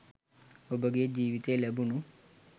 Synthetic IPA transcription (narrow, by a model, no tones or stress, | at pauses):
obəɡijed͡ʒiːʋit̪eːlɛbunu